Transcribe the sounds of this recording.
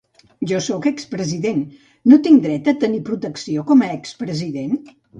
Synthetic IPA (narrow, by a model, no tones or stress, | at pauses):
ʒɔsɔkəkspɾəziðenː | ot̪iŋd̪ɾɛt̪ət̪ənipɾut̪əksiokɔməɛkspɾəziðen